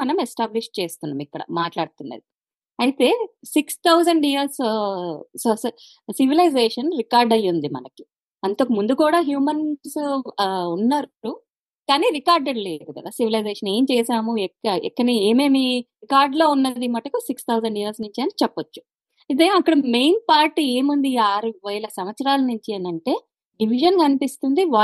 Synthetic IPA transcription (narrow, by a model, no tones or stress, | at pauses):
ɐnɐmɛsʈaːbliʂʈ̚t͡ʃeːst̪unːa̰ːmikːɐɽɐ̰maːʈlaːɽut̪unːɐ̰d̪i | ɐjit̪e̞ːsikst̪ʰɐwzɐɳɖiːɐɾs | sos | siʋilɐjzeːʂɐnɾikaːɾɖɐjːund̪imɐ̰nɐki̥ | ɐnt̪okimund̪ukuːɽaːɦjuːmɐns | unːaɾu | kaːniːɾikaːɾɖeɽle̞ːɡ̪ukɐ̰d̪aːsiʋilɐjzeːʂɐneːmt͡ʃɛːsaːmuɛkːɐɛ̰kːɐnieːmeːmiɾikaːɾɖlo̞ːunːɐd̪imɐʈɐkusikst̪ʰɐwzɐɳɖiːɐlsnuɲt͡ʃiɐnit͡ʃɛpːɐt͡ʃːu̥ | id̪eɐkːɐɽɐme̞jnpaːɾʈieːmund̪iaːɾuʋɐjɐlɐsɐmʋɐt̪sɐɾaːlɐnuɲt͡ʃiɐnɐɳʈe̞ː | ɖiʋiʒɐnkɐnipist̪und̪iʋaː